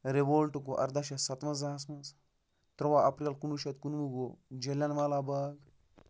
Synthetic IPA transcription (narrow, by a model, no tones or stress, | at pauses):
ɾeʋoːlʈukoʔɐ̰ɾd̪ɐʃɐsɐt̪mɐzaːs̬mɐs | t̪ɾɐʋaɐpɾʲɐlkunuʃɐt̪kunʋuɡod͡ʒelʲɐnʋaːlaːbɐɡ